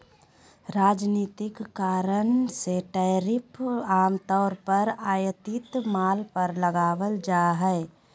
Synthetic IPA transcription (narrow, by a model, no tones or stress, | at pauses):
ɾaːd͡ʒniːt̪ɪkːaːɾənseʈɛɾɪpaːmt̪ɔːɾpəɾaːjət̪ɪt̪maːlpəɾləɡaːʋəld͡ʒaːɦɛː